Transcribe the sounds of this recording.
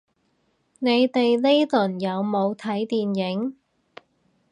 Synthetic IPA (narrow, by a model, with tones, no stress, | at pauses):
ne˨˧jt̪e˨jle˥jlɵ˨˩njɐ˨˧wmo˨˧wt̪ʰɐ˨˥jt̪iː˨njɪ˨˥ŋ